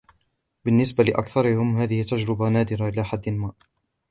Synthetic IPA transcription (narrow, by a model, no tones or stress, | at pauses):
bɪnːɪsbalɪʔa̰kθɑɾˤɪhɪmɦaːðɪhɪt̪ːad͡ʒɾɪbanaːd̪ɪɾaʔɪlaːħad̪ːɪlmaːʔ